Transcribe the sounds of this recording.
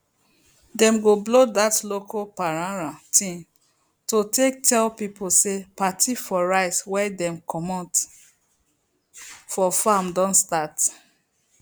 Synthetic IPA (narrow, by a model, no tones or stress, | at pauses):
dɛ̃mɡoblodatlokɔpaɹãɹatʰĩm | totek̚tʰɛlpiposepatʰifɔɹaɪtwɛdɛ̃mkʰɔmɔ̃nt | fɔfamdɔ̃nstat